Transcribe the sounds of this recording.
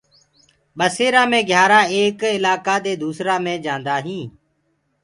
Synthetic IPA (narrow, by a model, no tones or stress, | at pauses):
ɓəseːɾãːmẽːɡʱjaːɾaːeːkɪlaːkaːd̪eːd̪uːsɾaːmẽːd͡ʒãːnd̪aːɦĩː